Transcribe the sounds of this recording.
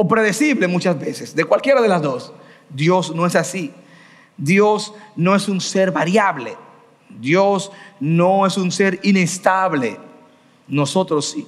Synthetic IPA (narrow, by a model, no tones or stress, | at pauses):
opɾe̞ðe̞siβle̞mut͡ʃasbe̞sesd̪e̞kwalkje̞ɾaðe̞lasðosd̪jo̞sno̞e̞sasi | d̪jo̞sno̞e̞sunse̞ɾβaɾjaβlḛ | d̪jo̞sno̞e̞sunse̞ɾinest̪aβle̞ | no̞so̞t̪ɾosːi